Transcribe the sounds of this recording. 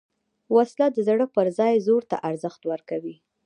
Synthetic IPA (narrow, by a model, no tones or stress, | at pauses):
waslad̪əzɽəpəɾzɑjzoɾt̪a̰ʔaɾzəxt̪wəɾkawi